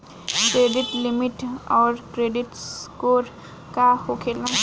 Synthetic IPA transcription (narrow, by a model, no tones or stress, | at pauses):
kɾeɖiʈlimiʈɔːɾkɾeɖiʈskoɾ | kahokʰelã